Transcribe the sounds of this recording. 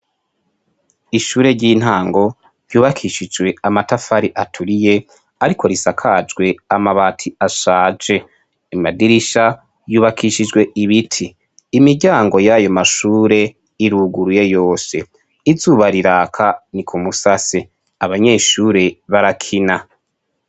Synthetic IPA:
iʃuːɾe̞ɟiːn̥haːŋɡo̞ | v̥juːβakʰiʃid͡ʒwe̞amatafaɾiʔatʰuɾije̞ | aɾikʰo̞ɾisakʰad͡ʒɡwe̞amaβaːtʰiaʃaːd͡ʒe̞ | imadiɾiʃa | juːβakʰiʃid͡ʒɡwe̞ʔiβitʰiː | miɟaːŋɡo̞jajo̞maʃuːɾe̞ | iɾuːɡuɾuje̞jo̞ːse̞ | izuːβaɾiɾaːkʰanikʰumusase | aβaɲe̞ːʃuːɾe̞βaɾakʰina

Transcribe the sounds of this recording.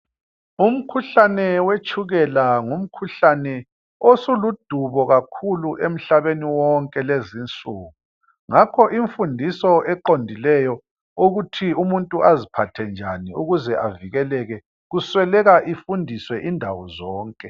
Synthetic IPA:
um̩kʰuɬanɛwet͡ʃʰʼuɣɛlaŋum̩kʰuɬanɛ | osulud̥ʱuβɔɣakʰuluʔem̩ɬaβeniwɔŋkʼɛlezint͡sʼuːɣu | ŋakʰɔʔiɱfundʱisɔʔɛǃondʱilɛjɔ | uɣutʰiumuntʼuʔazipʰatʰɛnd͡ʒʱaniuɣuzɛʔaviɣɛlɛɣɛ | ɣuswɛlɛɣaʔifundʱiswɛʔindʱawɔzɔːŋkʼɛ

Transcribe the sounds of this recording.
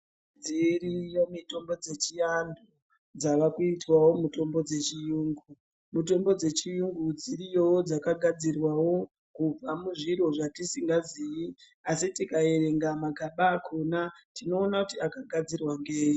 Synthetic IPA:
d͡zirijo̞mito̞mbo̞d͡ze̞t͡ʃiandu | d͡zaʋakuitwawo̞muto̞mbo̞d͡ze̞t͡ʃijuːŋɡu | muto̞mbo̞d͡ze̞t͡ʃijuŋɡud͡zirijo̞wod͡zakaɡʱad͡zirwawo̞ | kub͡vamuʐiro̞ʐatisiŋɡaziji | asitikae̞ɾe̞ŋɡamaɡʱaɓaːkʰonatino̞ːnakutiakaɡʱad͡zirwaŋɡeːji

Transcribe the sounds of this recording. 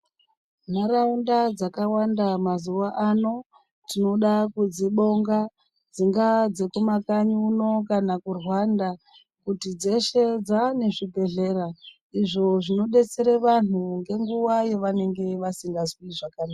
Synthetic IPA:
naraundad͡zakawandamazuʋaʔano̞ | tino̞ɗakud͡ziɓo̞ŋɡa | d͡ziŋɡad͡ze̞kumakaɲuːno̞kanakurwanda | kutid͡ze̞ʃed͡zane̞ʐibʱe̞ɮe̞ra | iʐo̞ʐino̞ɗe̞t͡se̞ɾeʋan̤uŋɡe̞ŋɡuʋaje̞ʋane̞ŋɡe̞ʋasiŋɡazwiʐakaːnaa

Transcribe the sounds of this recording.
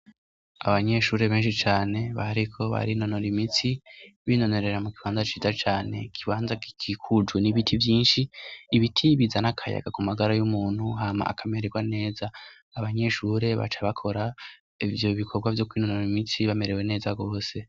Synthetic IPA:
a̰βaɲe̞ʃuːɾe̞βe̞ːnʃit͡ʃaːne̞βa̰aɾikʰo̞βa̰ɾino̞no̞ɾimit͡siβino̞no̞ɾe̞ɾamukiβaːnzat͡ʃiːzat͡ʃaːne̞̰kʰiβaːnzakikʰikʰud͡ʒuniβitʰivjiːnʃiːβitʰiβizanakʰaja̰ɡakumaɡaɾajumuːn̥huɦaːma̰ːkʰame̞ɾeɡwane̞ːzaː | βaɲe̞ʃuːɾe̞βa̰t͡ʃaβakʰo̞ɾa | ivjo̞βikʰo̞bɡwavjo̞kwiːnonoɾimit͡siβame̞ɾe̞we̞ne̞ːzaɡo̞ːse̞

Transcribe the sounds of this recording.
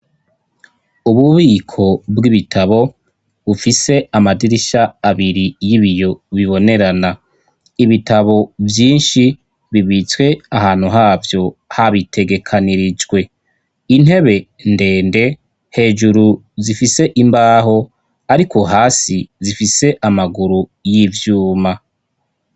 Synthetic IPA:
uβuβiːkʰo̞bɡiβitʰaβo̞ | βufise̞amadiɾiʃaːβiɾijiβijo̞βiβo̞ne̞ɾana | iβitaβo̞vjiːnʃi | βiβit͡swe̞ahaːn̥huɦaːvjo̞haβitʰe̞ɡe̞kʰaniɾid͡ʒɡwe̞ | in̥he̞βe̞ | nde̞ːnde̞ | he̞ːd͡ʒuɾu | zifise̞ʔimbaːɦo̞ | aɾikʰo̞ɦaːsizifise̞ʔamaɡuɾujivjuːma

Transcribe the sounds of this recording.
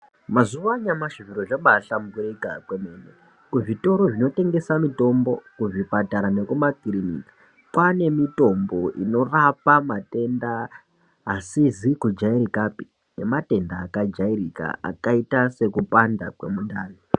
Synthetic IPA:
mazuʋaɲamaʐiviɾoʐeɓaɬamuburikakwemene | kuʐito̞ɾoʐino̞te̞ŋɡe̞samito̞mbo̞kuvipataɾanekumakirinḭkḁ | kwane̞mito̞mbo̞ʔino̞rapamate̞ndaː | sizikud͡ʒairikapi̥ | ne̞mate̞ndaːkad͡ʒairika̰a̰kaitase̞kupandakwe̞̰mundaːli

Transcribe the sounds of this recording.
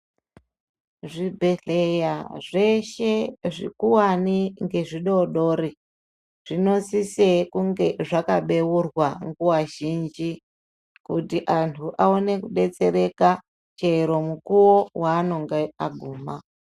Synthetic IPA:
ʐibʱe̞ɮejaʐe̞ʃe̞ʐḭkuwaniŋɡe̞ʐiɗo̞ɗo̞ːɾi | ʐ̥ino̞sise̞kuŋɡe̞ʐakaɓe̞wurwaŋɡuwaʒind͡ʒi | kutiʔantʰuʔaone̞kuɗe̞t͡se̞ɾe̞ka | t͡ʃe̞ɾo̞mukuwo̞waːno̞ŋɡeaɡʱuːma

